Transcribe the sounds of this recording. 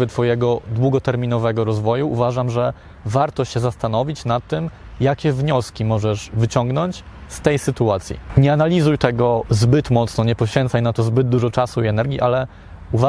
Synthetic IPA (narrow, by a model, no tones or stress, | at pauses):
ɘt̪fɔjɛɡɔd̪wuɡɔt̪ɛɾmʲinɔvɛɡɔɾɔzvɔjuʔuvaʐamʐɛ | vaɾt̪ɔɕɛzast̪anɔvʲit͡ɕnat̪ːɘm | jakʲɛvɲɔskʲimɔʐɛʐvɘt͡ɕɔŋɡnɔɲt͡ɕ | st̪ɛjsɘt̪uat̪sʲjḭɲɛanalʲizujt̪ɛɡɔzbɘt̪mɔt̪snɔɲɛpɔɕfʲɛ̃nt̪sajnat̪ɔzbɘd̪̚d̪uʐɔt͡ʂasuiɛnɛɾɡʲjiʔalɛ | uva